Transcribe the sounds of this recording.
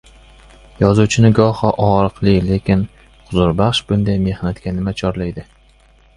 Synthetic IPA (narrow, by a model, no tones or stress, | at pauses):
jɒzuwt͡ʃʰɪnɪɡɒhɒʔɒɾɨqlˠɪle̞kʲɪn | χʊzʊɾbaχʃbʊnd̪ajme̞hnat̪ɡʲanɪmat͡ʃʰɒɾlajd̪ɪ